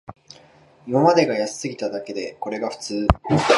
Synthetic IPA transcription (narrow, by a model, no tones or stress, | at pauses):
imamad̪e̞ɡajasi̥sɨɡʲit̪ad̪ake̞d̪e̞ko̞ɾe̞ɡaɸɯ̟̥t͡sɨː